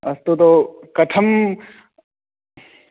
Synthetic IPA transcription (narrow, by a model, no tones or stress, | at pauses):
ɐst̪ut̪okɐʈʰɐm